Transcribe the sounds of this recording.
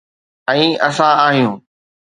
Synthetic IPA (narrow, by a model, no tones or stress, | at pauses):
ɛ̃ːɐsãaːɦijũː